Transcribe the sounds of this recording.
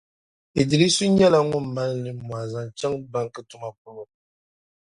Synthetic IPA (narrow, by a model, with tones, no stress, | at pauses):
i˨di˨li˦su˦ɲɛ˦la˦ŋʊ˦m˦ma˦lnɨ˨mu˨a˨za˨ŋ˨t͡ʃɛ˦ŋba˦ŋ˦kɨ˦tu˨˦ma˦k̚u˦lo˦